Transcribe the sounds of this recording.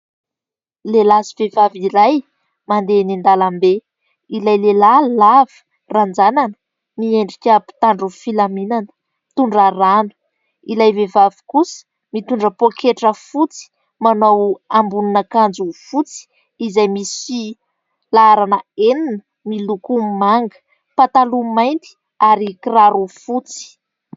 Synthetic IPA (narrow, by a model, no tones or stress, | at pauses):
lelazivevaviɾaj | mand̪enind̪alambe | ilajlelalavi̥ | rand͡zananə̥ | mieɳɖ͡ʐikʲəpi̥t̪aɳɖ͡ʐufilaminanə̥ | t̪uɳɖ͡ʐaranu̥ | ilajvevavi̥kusə̥ | mit̪uɳɖ͡ʐəpokʰeʈ͡ʂəfut͡si̥ | manawambunanakand͡zufut͡si̥ː | zajmisi | laaɾanəeninə | milukumaŋɡə̥ | pat̪alumajnt̪i̥ | aɾikiraɾufut͡si̥